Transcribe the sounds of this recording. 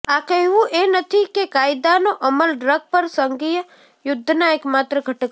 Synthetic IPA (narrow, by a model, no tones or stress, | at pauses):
aːkəuʔenət̪ʰikekaːjɪd̪anoʔɐməlɖɾəɡ̚pɐɾsəŋɡijə | jʊd̪ʱːnaeːkmaːt̪ɾəɡʱɐʈk